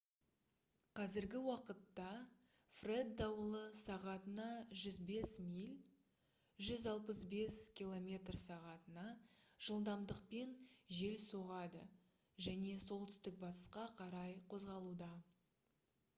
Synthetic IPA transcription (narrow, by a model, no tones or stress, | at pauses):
qʰɑzɪɾɡʲɪwɑqət̪ːɑ | fre̞d̪ːɑwəlˠəsɑʁɑt̪ənɑʒʏzbe̞smijlʲ | ʒʏzɑlˠpəsbe̞skʲilˠo̞mʲe̞t̪rsɑʁɑt̪ənɑʒ̥əlˠd̪ɑmd̪əq̚pe̞nʒe̞lsoʁɑd̪ə̰ | ʒæne̞so̞lˠt̪ʏst̪ɪk̚bɑt̪ə̥sqɑqʰɑɾɑjqʰo̞zʁɑlˠud̪ɑ